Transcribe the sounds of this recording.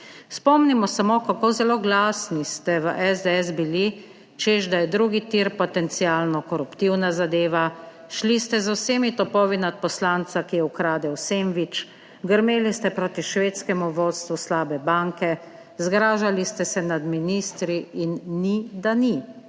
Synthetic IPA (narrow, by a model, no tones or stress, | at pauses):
spɔmnimɔsamokakozɛloːɡlaːsnist̪ɛʋəʔɛzd̪ɛɛzbili | t͡ʃeʃd̪ajɛd̪ɾuːɡit̪iːɾpɔt̪ɛnt̪siaːlnɔkɔɾupt̪iwnazad̪eːʋa | ʃlist̪ɛzawseːmit̪ɔpɔːʋinat̪̚pɔslant̪sakijɛukɾaːd̪ɛwseːmʋit͡ʃ | ɡəɾmeːlist̪ɛpɾoːt̪iʃʋeːt̪skɛmuʋoːt̪st̪ʋuslaːbɛbaŋkɛ | zɡɾaːʒalist̪ɛsɛnad̪miniːst̪ɾiinːid̪ani